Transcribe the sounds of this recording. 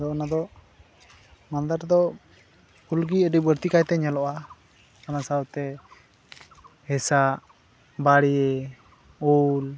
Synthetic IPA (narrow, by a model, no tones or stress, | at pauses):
d̪ɔʔnad̪ɔʔ | mand̪əɾd̪ɔ | ulɡiəɖibəɾt̪ikajt̪ɛɲalɔʔa | kanasawt̪ɛ | hɛsaʔ | baɽiɛ | ul